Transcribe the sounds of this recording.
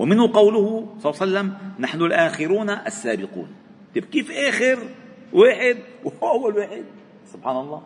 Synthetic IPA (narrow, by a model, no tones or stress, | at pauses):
wʔɪmɪnhʊqɑwlʊhʊsˤɑsalːamnaħnʊlʔaːxɪɾuːnaʔasːaːbɪqṵːn | t̪ɪbkiːfʔaːxɪɾ | waːħɪd̪̚wʔawːalwaːħɪd̪̚ | sʊb̥ħaːnɑlˤːɑː